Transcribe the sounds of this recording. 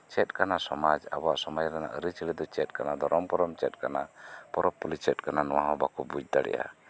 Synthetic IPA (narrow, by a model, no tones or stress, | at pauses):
t͡ʃɛt̪̚kanasɔmad͡ʒa̰bɔaʔsɔmad͡ʒɾɛna̰ʔəɾət͡ʃilɛd̪ɔt͡ʃɛt̪̚kanad̪ɔɾɔmkɔɾɔmt͡ʃɛt̚kanapɔɾɔpːɔlit͡ʃɛt̪̚kananɔwaɦɔ̃bakɔbuc̚ˀd̪aɽɛ̰ja̰